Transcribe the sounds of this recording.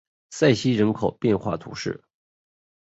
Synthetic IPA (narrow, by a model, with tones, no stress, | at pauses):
sa˥˩ɪɕi˥ɻə˧˥nkʰo˨˩ʊpjɛ˥˧nxwa̰˥˩t̪ʰṵ˧˥ʂɻ̩˥˩